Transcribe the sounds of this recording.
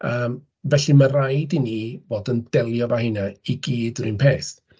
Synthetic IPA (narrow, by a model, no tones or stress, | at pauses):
əːm | vɛɬimarajdiniːvoːdənd̥ɛlˠjɔvahɪnaiɡiːdrɨnpʰeːst